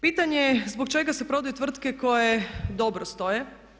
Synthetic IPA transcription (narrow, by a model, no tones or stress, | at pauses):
piːt̪aɲezbokt͡ʃe̞ɡase̞pɾo̞d̪ujet̪ʋr̩t̪ke̞ko̞jed̪o̞bɾost̪o̞je